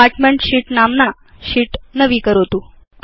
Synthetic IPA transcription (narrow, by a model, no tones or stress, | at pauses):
aɾʈmeɳʈɕiːʈnamna | ɕiːʈnəʋiːkəɾot̪u